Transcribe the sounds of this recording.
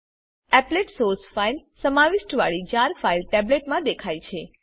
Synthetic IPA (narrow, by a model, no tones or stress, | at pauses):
ɛpleʈsoɾsfailsəmaʋɪʃʈəʋaɭid͡ʒaɾfailʈɛbleʈmãd̪ekʰajt͡ʃʰe